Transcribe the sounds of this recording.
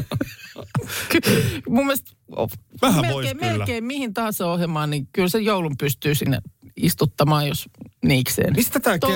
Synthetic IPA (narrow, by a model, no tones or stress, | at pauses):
kmumːiest̪ | o̰ʋæhæmeoimelkeːmmihint̪ɑːseohjemɑːnnikylsejjoulumpyst̪yːsinːḛist̪ut̪ːɑmɑːjjosniːksḛːnmist̪æt̪æːk